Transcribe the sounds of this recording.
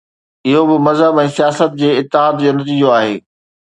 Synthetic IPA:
ɪɦobɪmɐzɦəbɛ̃ːsijaːsət̪̚d͡ʑeːɪt̪ːɪɦaːd̪d͡ʑoːnɐt̪iːd͡ʑoaːɦeː

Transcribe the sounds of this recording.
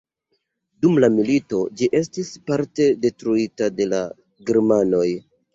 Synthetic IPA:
dumlamilito̞d͡ʒiʔe̞s̬tispaɾte̞de̞tɾuitade̞la̰ | ɡeɾmano̞j

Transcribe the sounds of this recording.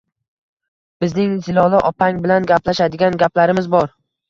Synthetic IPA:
b̥ɪznɪŋzɪlɒlˠɪʔɒpʰaŋbɪlanɡʲaplaʃad̪ɪɡʲanɡʲaplaɾɪmɪzbɒɾ

